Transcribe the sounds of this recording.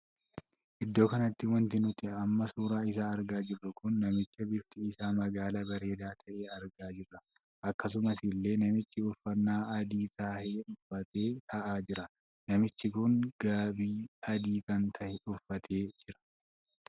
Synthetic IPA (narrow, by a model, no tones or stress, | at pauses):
ʔɪd̪ːo̞ːkɐnɐt̪ːɪwɐnt̪ɪnʊt̪ɪɐmːɐsuːɾaːɪsaːɐɾɡaːd͡ʒɪrːʊkʊnːɐmɪt͡ʃːɐbɪft̪ɪːsaːmɐɡaːlabɐɾe̞ːd̪aːt̪ʰɐʔe̞ːɐɾɡaːd͡ʒɪrːɐ | ʔɐkːɐs̬ʊmɐsɪlːe̞ːnɐmɪt͡ʃːɪʊfːɐnːaːɐd̪iːt̪ɐːheːᶑʊfːɐt̪eːt̪ʰɐʔaːd͡ʒɪɾɐ | nɐmɪt͡ʃːɪkʊŋɡ̥aːbiːɐd̪iːkɐnt̪ʰɐʔɛᶑʊfːɐt̪ʰeːd͡ʒɪɾɐ̥